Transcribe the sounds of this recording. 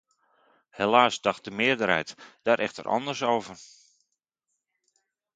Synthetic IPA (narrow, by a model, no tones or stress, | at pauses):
helaːsdɑxt̚dəmɪədəɾɦɛ̰jtd̥aːɾʔɛxtə̰ɾʔɑ̰ndərsowvər